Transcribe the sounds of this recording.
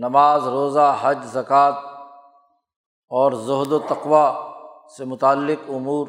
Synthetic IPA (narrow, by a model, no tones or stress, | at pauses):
nɐmaːzɾoːzaɦɐd͡ʒzɐkaːt̪̚ | ɔːɾzʊɦd̪ot̪ɐqʋa | semʊt̪aːlːɪqʊmuːɾ